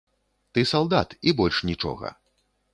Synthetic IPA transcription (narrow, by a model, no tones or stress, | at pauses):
t̪ɨsalˠd̪at̪ibɔlʲʂnʲit͡ʂɔ̰ɣɐ̰